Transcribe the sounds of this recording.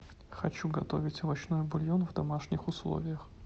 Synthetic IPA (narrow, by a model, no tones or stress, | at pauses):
xɐt͡ɕuɡɐt̪o̞̰vʲɪtʲvɐt͡ɕnojʊbʊlʲjonvd̪ɐmaʂnʲɪxʊslˠo̰vʲɪjəx